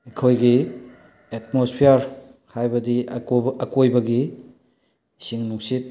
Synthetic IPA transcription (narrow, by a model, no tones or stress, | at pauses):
ikʰojɡi | etmospʰijaɾhajbɐdiɐkojbɐɡi | siŋnuksit̚